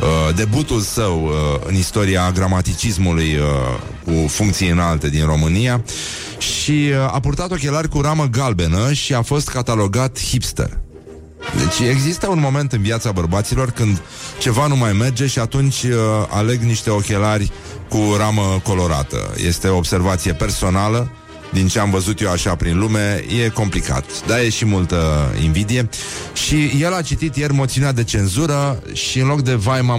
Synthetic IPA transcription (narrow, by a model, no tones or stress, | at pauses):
əd̪e̞but̪ulsəwəɨ̰nist̪o̞ɾiaɡɾamat̪it͡ʃismulujə | kufuŋkt̪siɨnalt̪e̞d̪inro̞mɨnija | ʃia̰purt̪at̪o̞kʲe̞larʲkuɾaməɡalbe̞nəʃiafo̞st̪kat̪alo̞ɡat̪hipst̪ḛr | d̪e̞̰t͡ʃʲe̞ɡzist̪əunmo̞me̞nt̪ɨnviat̪sabərbat̪silo̞rkɨnd̪ | t͡ʃe̞vanumajme̞rd͡ʒe̞ʃiat̪unt͡ʃʲa̰le̞ɡniʃt̪e̞o̞kʲe̞larʲ | kuɾaməko̞lo̞ɾa̰t̪ə̰jḛst̪e̞oːbse̞rvat̪sije̞pe̞rso̞nalə | d̪int͡ʃe̞amvəzut̪jewaʃapɾinlume̞je̞ko̞mplika̰t̪d̪aje̞ʃimult̪əḭnvid̪ije̞ʃije̞lat͡ʃit̪it̪je̞rʲmo̞t̪siunead̪e̞t͡ʃe̞nzuɾəʃiɨnlo̞kd̪e̞vajma